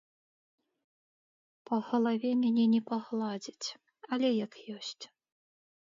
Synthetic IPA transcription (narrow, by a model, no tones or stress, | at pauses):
pɐɣɐlˠavʲɛmʲɛnʲɛnʲɛpɐɣlˠad͡zʲit͡sʲ | alʲɛjakjɔsʲt͡sʲ